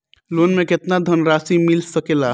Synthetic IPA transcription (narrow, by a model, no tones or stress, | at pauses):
loːnmẽkɪt̪nad̪ʱənɾaːsimɪlsəkeːla